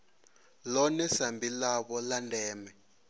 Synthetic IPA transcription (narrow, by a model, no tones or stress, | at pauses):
lɔnɛsambilaβɔlandʱɛːmɛ